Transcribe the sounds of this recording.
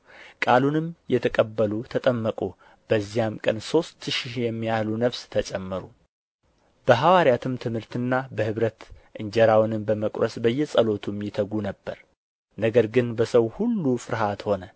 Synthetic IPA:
kʼalunɨmjɛt̪ʰəkʼəbːəlut̪ʰət̪ʼəmːəkʼu | b̥əzːijamkʼənso̞st̪ʃijɛmːijahlunəβst̪ʰət͡ʃʼɛmːɨɾu | b̥əɦawaɾjat̪ʰɨmt̪ʰɨmhɨɾt̪ɨnːabəhɨβɾət̪ʔɨɲd͡ʒɛɾawnɨmbəməkʼɾəsbəjːɛsʼəlo̞t̪ʰumjɪt̪ʰəɡunəbːə̰ɾ | nəɡəɾɡɨnbəsəwhulːufɨɾɦat̪ho̞nə

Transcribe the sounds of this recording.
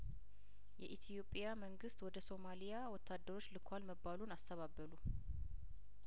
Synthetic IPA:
jɛʔit̪ʰijo̞pʼijaməŋɡɨst̪wɔd̪əso̞malijawɔt̪ʰːad̪ːəɾo̞t͡ʃːlɨkʰʷːwalməbːalunast̪ʰəβabːəlu

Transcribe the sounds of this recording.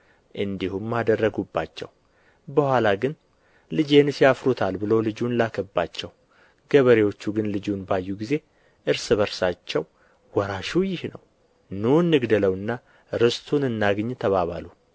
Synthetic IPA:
ʔɨnd̪ihumːad̪ərːəɡubːa̰t͡ʃːɛ̰w | bəhʷalaɡɨn | lɨd͡ʒe̞nsjafɾut̪ʰalbɨlowlɨd͡ʒunlakʰəbːat͡ʃːɛw | ɡ̥əβəɾewo̞t͡ʃːuɡɨnlɨd͡ʒunbajːuɡize̞ | ʔɨɾsɨβəɾsat͡ʃːɛw | wɔɾaʃujɪhnəw | nunːɨɡd̪ələwɨnːa | ɾɨst̪ʰunɨnːaɡɨɲːt̪ʰəβaβa̰lu

